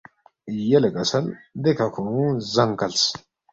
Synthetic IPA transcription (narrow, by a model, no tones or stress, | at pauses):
jɐlɐkʼɐsɐnd̪ɛkɐkʰuzɐŋkɐls